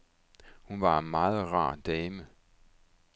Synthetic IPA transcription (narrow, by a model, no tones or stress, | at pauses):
hunʋɑ̈mɑ̈ːð̞̩ˠʁɑ̰̈ːd̥ɛːmə